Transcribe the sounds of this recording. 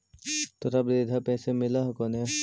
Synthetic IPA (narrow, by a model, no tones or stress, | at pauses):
t̪oɾɐbɾed̪ʱapɛːsemɪlaɦkone